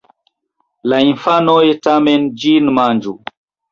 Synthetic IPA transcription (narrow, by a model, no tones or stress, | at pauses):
lainfanɔjɛtamɛnd͡ʒinmand͡ʒu